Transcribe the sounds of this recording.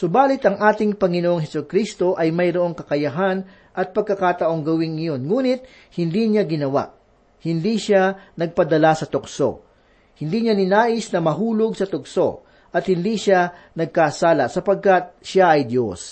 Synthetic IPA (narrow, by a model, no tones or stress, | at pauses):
sʊbaːlɪt̪ɐŋʔaːt̪ɪŋpɐŋɪnoʔoŋɦɛsʊkɾist̪o̞ʔɐjmɐjɾoʔo̞ŋkɐkɐjɐɦan | ʔɐt̪̚pɐɡ̚kɐkaːt̪ɐʔo̞ŋɡɐwɪŋɐjo̞nŋuːnɪt̪̚ | hɪnd̪iɲaɡɪnɐwa̰ʔ | hɪnd̪iʃanɐɡ̚pɐd̪ɐlasɐt̪ʊkso̞̰ | hɪnd̪iːɲanɪnaːʔɪsnɐmɐɦuːlʊɡsɐt̪ʊkso̞̰ | ʔɐt̪̚hɪnd̪iʃanɐɡ̚kasaːlɐsɐpɐɡ̚kat̪̚ʃaʔɐjd̪jos